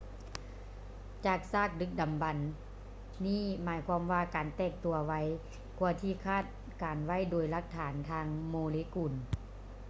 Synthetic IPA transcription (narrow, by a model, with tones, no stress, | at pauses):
t͡ɕaː˨˩k̚saː˥˩k̚dɯ˧˥k̚da˨mba˨nː | iː˥˨maː˨˦jkʰwaː˧˥mʋaː˧kaː˨˩nt̪ɛː˧˩k̚t̪u˨˩ɐʋa˧˥j | kʰu˧ɐt̪ʰiː˧kʰaː˥˩t̪̚ | kaː˨nwa˧˥˨jdoː˨˩jla˧˥k̚t̪ʰaː˨˦nt̪ʰaː˧ŋmoː˧leː˧˦kuː˨˩n